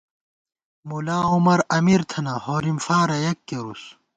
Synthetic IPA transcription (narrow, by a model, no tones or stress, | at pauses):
mulaːumɐɾɐmiɾt̪ʰɐnɐhoːɾimfaːɾɐjɐkːeɾus